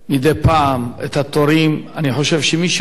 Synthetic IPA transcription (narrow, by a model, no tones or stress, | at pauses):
mid̪epaamet̪hat̪oɾimaniħo̞ʃevʃemiʃ